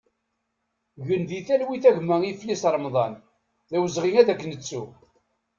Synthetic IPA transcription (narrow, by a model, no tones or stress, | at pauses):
ʝənðiθælwiθæʝmæiflisɾˤmðˤɑn | ðæwəzʁiŋæðækːnət͡sːu